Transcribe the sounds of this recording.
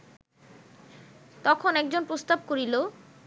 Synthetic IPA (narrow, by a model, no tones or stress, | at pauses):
t̪ɔkʰonɛk̚d͡ʑonpɾost̪ab̚koɾilo